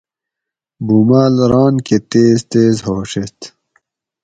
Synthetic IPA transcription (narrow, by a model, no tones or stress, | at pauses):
buːmaːlɾɑːnket̪eːzt̪eːzɦoːʂet̪